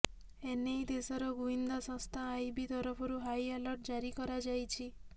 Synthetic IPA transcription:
enejd̪esɔɾɔɡuind̪asɔ̃st̪ʰaːjbit̪ɔɾɔpʰɔɾuɦajalɔɾʈ̚d͡ʒaɾikɔɾad͡ʒajt͡ʃʰi

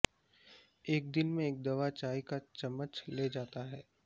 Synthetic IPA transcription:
eːk̚d̪ɪnmẽeːk̚d̪ɐʋat͡ʃaːikat͡ʃɐmːət͡ʃleːd͡ʒaːt̪aɦɛː

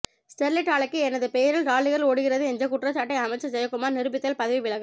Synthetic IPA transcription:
sʈɛɾlɪʈaːɭɐkːɯɛnɐðɯpejɐɾɪlɾaːɭːɯɣɐɾɭoːɽɯɣɪrɐðɯɛnɲd͡ʒɐk̬ʊʈrɐt͡ʃːaːʈːɐɪɐmɐɪt͡ʃːɐd͡ʒɐjɐkːɯmaːɾnɪɾɯbɪt̪ːɐlpɐðɐʋiʋɪɭɐɣɐ

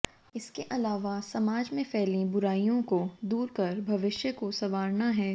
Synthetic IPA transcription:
ɪskeʔɐlaːʋasɐmaːd͡ʒmẽpɛːlĩbʊɾaːijõkod̪uːɾkɐɾbʱɐʋɪʃjəkosɐʋaːɾnaɦɛː

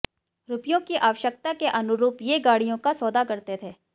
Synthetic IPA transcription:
ɾʊpijõkiʔaːʋəʃək̚t̪akeʔɐnʊɾuːpjeɡaːɽijõkasɔːd̪akɐɾt̪et̪ʰeː

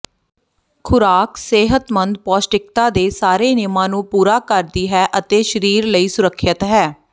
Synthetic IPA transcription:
kʰʊɾaːkseːɦət̪mənd̪̚pɔːsʈɪk̚t̪aːd̪eːsaːɾeːnɪmãːnũːpuːɾaːkəɾd̪iːɦɛːʔət̪eːʃəɾiːɾləiːsʊɾəkʰːət̪ɦɛː

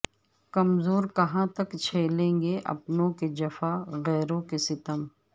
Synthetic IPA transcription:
kɐmzoːɾkɐɦãt̪ɐkt͡ʃʰeːlẽːŋɡeʔɐ̰pnõked͡ʒɐfaːɣɛːɾõkesɪt̪əm

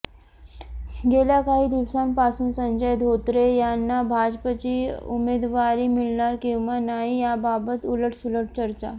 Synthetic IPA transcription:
ɡeljakaɦiːd̪iʋsampasuːnsəɲd͡ʑəjd̪ʱot̪ɾejanːabʱad͡ʑpət͡ɕiːṵmed̪ʋaɾiːmilnaɾkĩw̃ʋanaɦijababət̪uləʈʰsuləʈ̚ʰt͡ɕəɾt͡ɕa

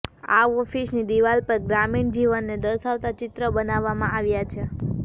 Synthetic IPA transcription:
a̰ɔfisnid̪iʋalpəɾɡɾamiɳd͡ʒiʋənːed̪əɾsaʋt̪at͡ʃɪt̪ɾəbənaʋːamãʔaʋjat͡ʃʰe

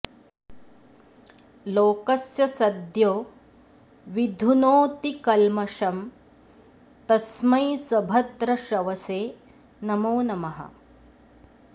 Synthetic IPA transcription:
loːkɐsjɐsɐd̪joː | ʋid̪ʱunoːt̪ikɐlmɐʂɐm | t̪ɐsmɐjsɐbʱɐd̪ɾɐʃɐʋɐseː | nɐmoːnɐmɐɦɐ̰

